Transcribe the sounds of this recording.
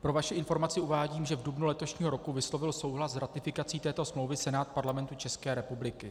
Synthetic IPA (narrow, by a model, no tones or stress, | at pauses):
pɾo̞vaʃɪʔɪnfo̞ɾmat͡sɪuvaːɟiːmʒɛvdubnulɛt̪o̞ʃɲiːɦo̞ɾo̞kuvɪslo̞vɪlso̞wɦlaszɾat̪ɪfɪkat͡siːt̪ɛːt̪o̞smlo̞wvɪsɛnaːt̪̚paɾlamɛnt̪ut͡ʃɛskɛːɾɛpublɪkɪ